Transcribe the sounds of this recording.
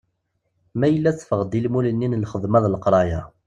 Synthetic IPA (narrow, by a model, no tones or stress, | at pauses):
mæjəlːæθfəʁd̪ilmulənːinlχəðˤmæðˤlqɾˤɑja